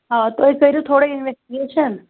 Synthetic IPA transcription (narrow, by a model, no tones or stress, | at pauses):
ɦat̪oekəiɾjũt̪ʰoɽeɪnʋesʈiɡeʃən